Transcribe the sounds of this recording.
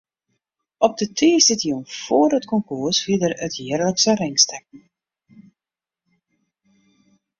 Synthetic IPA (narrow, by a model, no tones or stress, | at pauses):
ɔp̚dətʰiːsɪtiɔnfoːrətkɔŋkursfidərətjɪərləksərɪŋstɛk̚n̩